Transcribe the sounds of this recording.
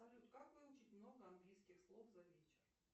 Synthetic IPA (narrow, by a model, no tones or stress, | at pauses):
ɐlʲut̪kakvɨlˠʊt͡ɕitʲmno̞ɡəɐnɡlʲijskʲɪxslˠofzɐvʲet͡ɕɪr